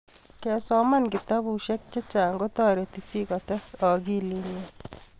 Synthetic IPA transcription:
kɛ˨sɔ˦mankit̪a˦buʃe˦k̚t͡ʃe˦t͡ʃaː˨ŋɡo˦t̪ɔːɾet̪it͡ʃi˦kɔtɐ˦sɔ˨ɡi˦line

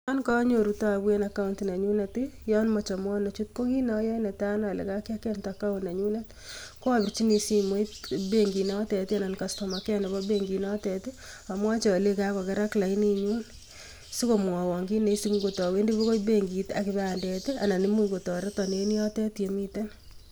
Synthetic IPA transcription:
ɔ˦nka˦ɲo˨ɾu˨tɔ˦a˨bwe˦na˨ka˦unti˨na˨ɲu˦na˨ti˦jɔ˦nmɔ˨t͡ʃa˨mɔ˦na˨t͡ʃu˦t̚ko˦ɡi˦na˦jɔ˦nɛ˨ta˦na˨lḛ˨ka˦kja˦kɛ˦ntaka˦ʊ˨na˨ɲu˦na˦t | ko˦a˦bɪ˨ɾt͡ʃi˦ni˨si˦mo˦i˦tbe˦ŋɡi˨na˦tɛ˨ti˦a˨na˨nka˨sto˨ma˨kɛ˦na˨bɔ˦beŋɡi˨nɔ˦tɛ˨ti˦ | a˨mwa˦t͡ʃe˨a˨le˦ka˦kɔ˨kɛ˨˦ɾa˦kla˨i˦ni˦ɲu˦n | si˦ko˨m˨ɔ˨wɔ˨ŋɡi˦ne˨˦si˦kɡo˨tɔ˨we˦ndi˦βo˦ko˦jbe˦ŋɡi˨ta̰˨kɪ˨ba˦a˨ndɛ˨ti˦a̰˨na˨ni˦mu˦ŋɡo˨tɔ˨ɾe˦tɔ˨ne˨˦ni˦jɔ˦tɛ˦tje˨mi˦tɛ˦n

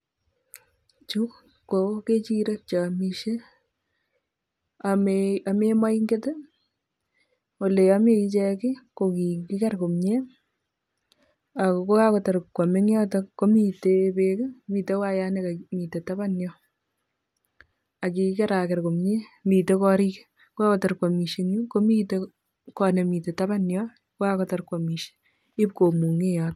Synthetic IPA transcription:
t͡ʃu˦k | kːo˨ke˦t͡ʃi˦ɾe˦t͡ʃa˨mi˨ʃe˦ | amea˨mema˦i˦ŋɡe˦te˦ | wo˨le˨ja˦me˨i˦t͡ʃɛ˦kɪ˦ko˨ki˨ki˦ka˦ɾko˨mɲe˦ | a˨ko˨ko˦ka˦ko˨ta˨ɾkːwa˨me˦ŋjɔ˦tɔ˦ko˦mi˨tebe˦ke˦miː˨te˦wa˦ja˦nɛ˦ka˨mi˨te˨ta˦ba˦njɔ˦ | a˨ki˨ki˦kɛ˦ɾa˨kɛ˨ɾko˨mɲe˦mi˨te˦kɔ˦ɾi˦k | ko˦a˦kɔ˨ta˨ɾkwa˨mi˨ʃe˦ŋu˦ko˦mi˦te˦ | kɔ˨nɛ˨mi˨te˨ta˦ba˦njɔ˦ | ko˦ka˦kɔ˦ta˨ɾkwa˨mi˨ʃe̥ | i˦p̚ko˨mu˨ŋe˦jɔt

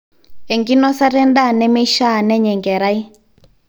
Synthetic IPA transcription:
ɛ˨ŋɡi˦nɔ˦sa˦ɾɛ˦nda˦˨nɛ˦mɛ˦ʃa˦˨nɛ˦ɲɛ˨ŋɡɛ˨ɾa˦i˦

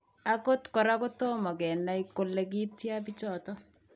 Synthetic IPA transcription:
a˦ko˦tkɔ˨ɾa˦kʊ˦to˦mɔ˨kɛ˨na˦i˦kʊ˨lːɛ˨k̬i˦tja˦p̬i˦t͡ʃɔ˨tɔ˦

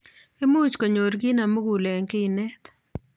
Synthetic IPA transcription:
e˦mu˦t͡ʃko˨ɲo˨ɾɡi˦na˨mo˦ɡu˨lɛ˨ŋkɪ˦˨nɛ˦t̪

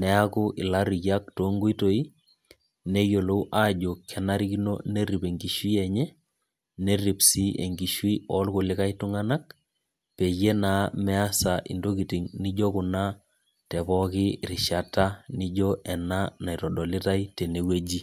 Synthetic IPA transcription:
nɛ˨˦a˦kʊ˦ʔɪ˨la˦ɾi˨ja˦k̚to˨ŋɡo˦i˦to˨i˦ | ne˦jo˨lo˦u˦ʔa˦d͡ʒo˨kʰːɛ˨na˦ɾi˦kino̰˦ne˦ɾi˨pe˨ŋɡi˨ʃwi˦ɛ˨ɲɛ˦ | ne˦ɾi˨psi˦ʔe˨ŋɡi˨ʃwi˦ɔ˦lkʊ˨lɪ˦ka˦jtʊ˦ŋa˦na˦k̚ | pe˨je˦naː˨˦mɛ˦a˦sa˨ʔḭ˨ndo˦ki˨ti˨ŋnɪ˦d͡ʒo˦kʊ˨na˦ | tɛ˨bɔ˦kɪ˦ɾɪ˨ʃa˨ta˦nɪ˦d͡ʒɔʔɛ˨na˦na˨i˨tɔ˨ɗɔ˨lɪ˦ta˦jte˨ne˨we˦d͡ʒi˦

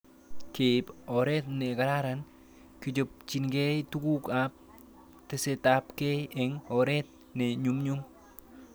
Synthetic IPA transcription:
ke˨pɔ˨ɾe˦t̪̚ne˨kaɾa˦ɾan | kit͡ʃo˨p̚t͡ʃinɡe˦jtu˦ɡu˦kap̚ | tesetapke˦jeŋɔɾe˦t̪̚ | ne˨ɲumɲum

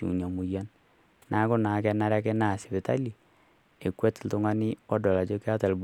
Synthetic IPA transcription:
ṵ˨na˨mu˨ja˦n | na˨˦kʊ˦na˨kɛ˦na˦ɾa˦kɛ˦na˦˨sɪ˨bɪ˨ta˦li˨ | e˨kwe˦tl̩tʊ˨ŋa˦ni˦ɔ˦dɔ˨la˨t͡ʃo˦ka˦ta˨lb

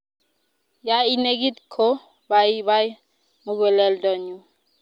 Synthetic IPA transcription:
ja˦i˦ne˦ɡi˦t̪kʰo˦ | ba˨˦βa˦j | mu˦ɡwe˨lɛ˦ldɔ˨ɲu˨

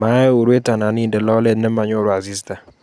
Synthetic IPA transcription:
a˦ɛ˦o˨ɾwe˦ta˨na˨nɪ˦ndɛ˨lɔ˦lɛ˦dnɛ˦ma˨ɲo˦˨ɾwa˨zi˦sta˨

